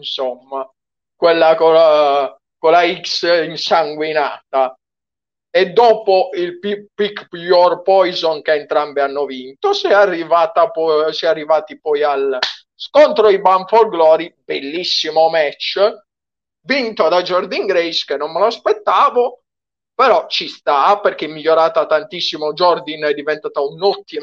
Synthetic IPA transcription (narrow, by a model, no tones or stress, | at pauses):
insomːa | kwelːakoa | kolaiksinsaŋɡwina̰ːt̪a | ed̪ːɔːpoʔilppikːjɔrpɔjzonkeːnt̪ɾambeanːovint̪osɛarːivaːt̪apɔsɛarːivaːt̪ipɔjal | skont̪ɾoibamfolɡlɔːɾibelːisːimomɛt͡ʃː | vint̪od̪ad͡ʒɔrd̪iŋɡɾɛskenːonmeloaspet̪ːaːvo | peɾɔt͡ʃist̪aperk̟emːiʎːoɾaːt̪at̪ːant̪isːimod͡ʒɔrd̪inɛd̪ːivɛnt̪aːt̪aunɔt̪ːi